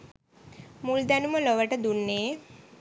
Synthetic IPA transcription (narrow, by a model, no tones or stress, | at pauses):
muld̪anuməlɔʋəʈəd̪unːeː